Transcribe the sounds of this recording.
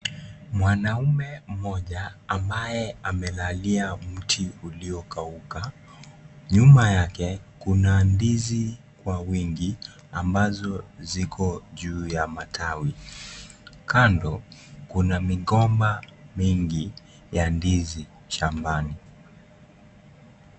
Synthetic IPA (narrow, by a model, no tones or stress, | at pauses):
mwanaumɛm̩mɔʄaːmbajɛamɛlaliam̩tʰiuliɔkauka | ɲumajakɛkunandizi | kwawiŋɡi | ambazɔzikʰɔʄuːjamatʰawi | kandɔkunamiɠɔmbamiŋɡi | jandizi | ʃambani